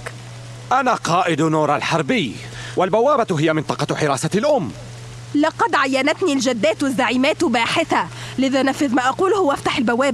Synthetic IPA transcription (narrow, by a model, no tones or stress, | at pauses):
ʔanaːqɑːʔɪd̪nuːɾˤalħɑɾˤbɪj | walbawːaːbat̪ɦɪjamɪnt̪ˤɑqɑħɪɾɑːsalʔʊmː | lɑqɑd̪ʕajːanat̪niːld͡ʒad̪ːaːt̪azːaʕiːmaːt̪baːħɪθalɪðaːnafːɪðmaːʔɑquːlhʊwʔaft̪ḁħalbawːaːb